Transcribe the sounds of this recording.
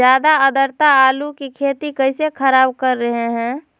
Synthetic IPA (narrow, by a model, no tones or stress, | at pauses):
jaːd̪aəd̪əɾt̪aaːlukikʰeːt̪ikəɪsekʰəɾaːbkəɾːəɦeɦɛ̃